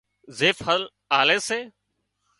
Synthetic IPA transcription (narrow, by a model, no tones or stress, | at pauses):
zeːfhəl | aːleːseː